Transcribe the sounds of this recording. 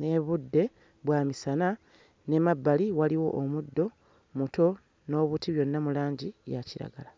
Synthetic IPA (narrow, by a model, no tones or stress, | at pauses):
neβudːe̞ | βwaːmisana | ne̞mabːaliwaliwo̞ʔomudːo̞ | muto̞ | no̞ːβutiβjo̞nːamulaːɲɟijaciɾa̰ɡa̰la